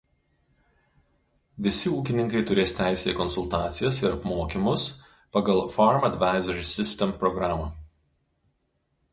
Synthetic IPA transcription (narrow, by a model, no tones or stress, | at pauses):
ʋʲɪsʲɪuːkʲɪnʲɪŋkɐɪt̪ʊɾʲeːst̪ʲæɪsʲeːkɔnsʊlˠt̪ɑːt̪sʲɪjɛsɪɾɐpmoːkʲɪmʊs | pɐɡɐlˠfɔɾmɐd̪ʲʋɑˑɪzʲɐɾʲisʲɪsʲt̪ʲɛmpɾɔɡɾɑːmɑː